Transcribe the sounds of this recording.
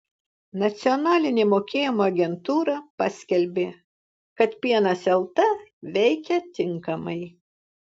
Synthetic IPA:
nɐt̪sʲɪɔnɑːlʲɪnʲemoːkʲeːjɪmoːɐɡʲɛnt̪uːɾɐpɑsʲkʲɛlʲbʲeː | kɐt̪pʲiɛnɐsɛlˠt̪ɐʋʲɛɪkʲɛt̪ʲɪŋkɐmɐɪ

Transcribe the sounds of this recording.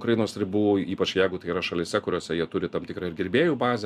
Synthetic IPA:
kɾɐjɪnoːsɾʲɪbuːiːpɐt͡ʃjɛɪɡʊt̪ɐɪiɾɐʃɐlʲɪsʲɛkʊɾʲoːsʲɛjiɛt̪ʊɾʲɪt̪ɐmt̪ʲɪkɾɐɪɾɡʲɪɾʲbʲeːjuːbɑːzʲɛ

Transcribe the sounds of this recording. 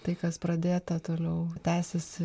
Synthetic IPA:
t̪ɐɪkɐspɾɐd̪ʲeːt̪ɐt̪oːlʲɛʊt̪ʲæːsʲesʲɪ

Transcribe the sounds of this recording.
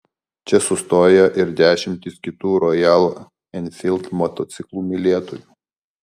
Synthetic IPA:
t͡ʃʲɛsʊst̪oːjɛʔɪɾd̪ʲæːʃʲɪmʲt̪ʲɪskʲɪt̪uːɾɔjælˠ | ɛnʲfʲɪlˠʲt̪mɔt̪ɔt̪sʲɪklˠuːmʲɪlʲeɛt̪ojuː

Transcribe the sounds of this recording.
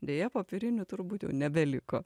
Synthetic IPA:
d̪ʲeːjɛpoːpʲɪɾʲɪnʲʊt̪ʊɾbuːt̪jɛ̰ʊnʲɛbʲɛlʲɪko

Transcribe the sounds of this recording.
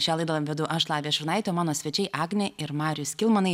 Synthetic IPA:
ʃʲæːlˠɐɪd̪ɐlˠɐʋʲɛd̪ʊʔɐʃlˠɑːʋʲeːʃʲɪɾnɐɪt̪ʲoːmɑːnoːsʲʋʲɛt͡ʃʲɛɪʔɑːɡnʲɛɪɾmɑːɾʲʊsʲkʲɪlˠmɐnɐɪ

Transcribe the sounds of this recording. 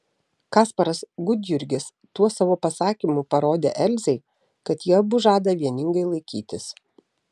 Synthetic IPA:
kɑːspɐɾɐsɡʊd̪ʲjʊɾʲɡʲɪs | t̪uɔsɑːʋoːpɐsɑːkʲimʊpɐɾoːd̪ʲḛːʔɛlʲzʲɛɪ | kɐt̪jiɛɐbʊʒɑːd̪ɐʋʲiɛnʲɪŋɡɐɪlˠɐɪkʲiːt̪ʲɪs

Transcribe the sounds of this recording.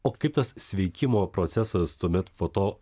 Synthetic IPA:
oːkɐɪp̚t̪ɐssʲʋʲɛɪkʲɪmoːpɾɔt̪sʲɛsɐst̪uɔmʲɛt̪poːt̪oː

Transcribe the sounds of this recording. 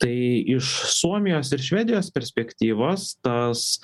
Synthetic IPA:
t̪ɐɪɪʃsuɔmʲɪjoːsɪɾʃʲʋʲæːd̪ʲɪjoːspʲɛɾʲsʲpʲɛkʲt̪ʲiːʋɐst̪ɐs

